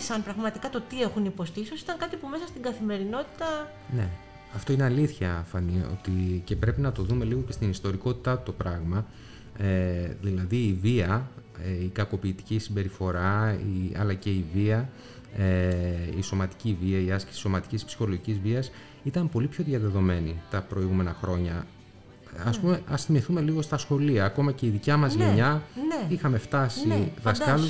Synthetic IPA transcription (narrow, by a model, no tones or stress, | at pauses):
sɐnpɾɐɣmɐt̪ikɐt̪o̞t̪ie̞xunipo̞st̪iisosi̥t̪ɐŋkɐt̪ipume̞sɐst̪iŋɡɐθime̞ɾino̞t̪i̥t̪ɐ | ne̞ | ɐft̪o̞ineɐliθçɐfɐnio̞̰t̪ice̞pɾe̞pinɐt̪o̞ðume̞liɣo̞ce̞st̪inist̪o̞ɾiko̞t̪i̥t̪ɐt̪u̥t̪o̞pɾɐɣmɐ | eðilɐðiːviɐ | eikɐko̞piːt̪i̥cisimbe̞ɾifo̞ɾɐiɐ̰lɐce̞iviɐ | eiso̞mɐt̪i̥civiɐiɐskesi̥so̞mɐt̪i̥cispsi̥xo̞loʝicizviɐs | it̪ɐmpo̞lipço̞ðʝɐðe̞ðo̞me̞nit̪ɐpɾo̞iɣume̞nɐxɾo̞ɲɐ | ɐspume̞ʔɐst̪imiθume̞liɣo̞st̪ɐsxo̞liɐːko̞mɐce̞iðicɐmɐzʝeɲɐixɐme̞ft̪ɐsiðɐskkɐlu